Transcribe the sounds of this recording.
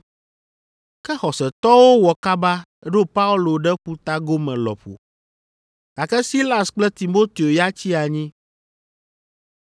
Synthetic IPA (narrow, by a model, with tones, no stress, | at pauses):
kɛ˦xɔ˨sɛ˨t̪ɔ˦wo˦wɔ˨ka˦ba˦ | ɖo˦pa˦u˦lo˨ɖɛ˦ɸu˦t̪a˦ɡo˦mɛ̃˨lɔ̰˨ɸo̰˨ | a˨kɛ˦si˦la˨sk͡plɛ˦t̪i˨mo˦t̪e˨o˨ja˦t͡ɕi˦a˨ɲĩ˦